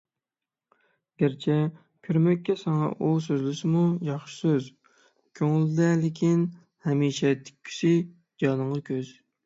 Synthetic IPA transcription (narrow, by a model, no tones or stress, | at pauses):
ɡ̥ʲæɾt͡ʃʰɛ | kʲʰøɾmɛkʲːɛsɑŋɑ̰ʔusøzlɪsɪmujɑχʃɪ̥søz | kʲʰøŋɪld̪ɛlɪkʲʰin | hɛmiːʃɛt̪ʰi̥k̚ʲʰːy̥sɪ | d͡ʒɑːnɨɴʁɑkʲʰøz̥